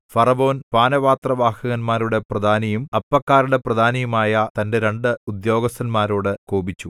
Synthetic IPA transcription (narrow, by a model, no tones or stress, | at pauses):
fɐrɐbo̞ːnpaːnɐʋaːt̪rɐʋaːhɐɣɐnmaːɾuɽe̞prɐd̪ʱaːnɐjumɐpːɐkːaːɾuɽe̞prɐd̪ʱaːnɐjumaːjɐt̪ɐnde̞ɾe̞ɳɖɨud̪jo̞ːɡɐst̪ʰɐnmaːɾo̞ːɽɨkoːbit͡ɕːu